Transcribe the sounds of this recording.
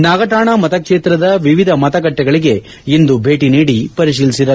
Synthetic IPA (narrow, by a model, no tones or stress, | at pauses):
naːɡɐʈaːɳaːmɐt̪ɐkʂeːt̪ɾɐd̪ɐʋiʋid̪ʱɐmɐt̪ɐɡɐʈːɛɡɐɭiɡe̞ | ind̪ubʱe̞ːʈiniːɽipɐɾiʃ̬iːlisid̪ɐ